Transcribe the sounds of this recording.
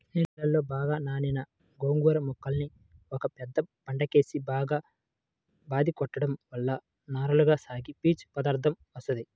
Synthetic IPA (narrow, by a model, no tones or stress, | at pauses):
nilɐlːo̞ːbaːɡaːnaːninɐ | ɡoːŋɡuɾɐmɔkːɐlni | ɔkɐpɛd̪ːɐb̥ɐɳɖɐke̞ːsibaːɡaː | baːd̪ikɔʈːɐɽɐmʋɐlːɐ | naːɾɐluɡaːsaːɡipiːt͡ʃpɐd̪aːɾd̪ʰʱɐmʋɐst̪ɐd̪i